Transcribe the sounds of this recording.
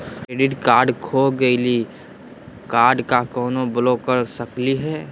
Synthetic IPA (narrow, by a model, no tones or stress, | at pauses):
eːɖɪʈkaːɾɖkʰoɡəili | kaːɾɖkakɔːnobloːkəɾsəkliɦɛː